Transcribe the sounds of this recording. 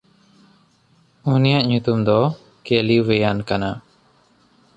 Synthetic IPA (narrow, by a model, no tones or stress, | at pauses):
unijaʔɲut̪umd̪ɔ | keliwɛjankana